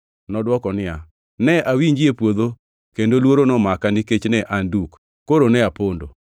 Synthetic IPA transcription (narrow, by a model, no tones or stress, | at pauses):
nɔdwɔkɔnɪja | nɛʔawiɲd͡ʒjepwod̪o | kendolwoɾonɔmakaniket͡ʃnɛʔandukː | oɾonɛapondo̰